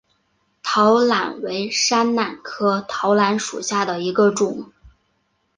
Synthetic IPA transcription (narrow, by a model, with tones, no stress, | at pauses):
t̪ʰɑ˧˥ʊla̰˨˩nwe˧˥ɪʂa˥nna˨˩nkʰɤ˥t̪ʰɑ˧˥ʊla˧˥nʂṵ˨˩ɕja˥˩d̪ə˩i˧˥ɡə˧ʈ͡ʂʊ˨˩˦ŋ